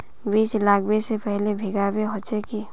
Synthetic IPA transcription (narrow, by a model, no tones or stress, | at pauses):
biːt͡ʃlaːkʰbesepɛɦlebʱɪɡabeɦɔt͡ʃeki